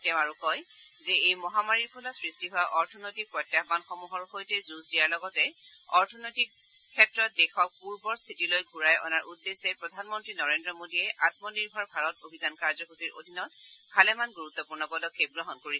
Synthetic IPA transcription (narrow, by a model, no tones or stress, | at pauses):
tɛʊ̃aɹukɔjzɛejmɔɦamaɹiɹpʰɔlɔsɹistiɦʊaʔɔɹtʰɔnojtik̚pɹɔtjamanxɔmuɦɔɹxojtɛzuzdiaɹlɔɡɔtɛɔɹtʰɔnojtikʰː | ɛtɹɔt̚dɛxɔk̚puɹbɔɹstʰitilojɡʱuɹajɔ̰naɹʔudːesɛpɹɔdʱanmɔntɹinɔɹendɹɔmodiɛʔat̚mɔniɹbʱɔɹbʱaɹɔtobʱizankaɹzɔkuziɹʔo̰dʱinɔt̚pʰalɛmanɡuɹut̪ːɔpuɹnɔpɔdɔkʰːep̚ɡɹɔɦɔnkoɹiɛ